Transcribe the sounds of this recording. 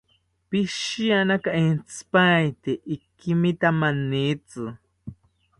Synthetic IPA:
pɪʃijanakaint͡spajt̪eʔːkimit̪amanːit͡sɨ

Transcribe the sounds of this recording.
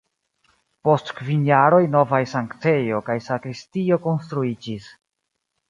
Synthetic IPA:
po̞stkvinjaɾo̞jno̞vajsaŋkt͡se̞jo̞kajsakɾistio̞ko̞nstɾuid͡ʒis

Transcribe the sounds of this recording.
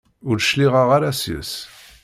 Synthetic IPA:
ʊɾʃliʁaʁaɾasjə̰s

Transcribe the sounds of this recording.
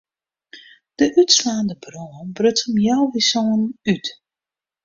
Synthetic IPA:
d̥əʔytslaːndəbroənbrøtəmjɔwʋisoənyt

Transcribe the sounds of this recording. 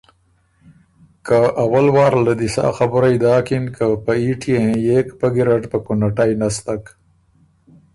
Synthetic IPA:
kaʔawalwɑːɾlad̪isɑ̰ːxabʊɾajd̪ɑːkinkʰapaiʈʰiẽjekpəɡiɾaʈpəkunaʈajnast̪ak

